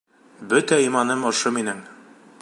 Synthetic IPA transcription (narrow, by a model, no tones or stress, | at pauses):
bɵt̪æimɑnɤmŏʃɤminɘŋ